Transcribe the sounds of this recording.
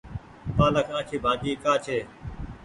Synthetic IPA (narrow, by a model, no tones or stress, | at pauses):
paːləkʰãːkʰiːbʱaːkiːkaːt͡ʃʰeː